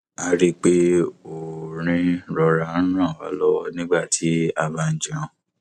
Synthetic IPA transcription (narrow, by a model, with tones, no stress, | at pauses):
a˨˧ɾi˦k͡pe˦o˨ɾ̃ĩ˧ɾɔ˧ɾa˧˦ɾ̃ã˦˨wa̰˨˦lɔ˦wɔ˧nĩ˦ɡ͡ba˦˨tʰi˨˦a˧ba˧n̩˨d͡ʒã˧˨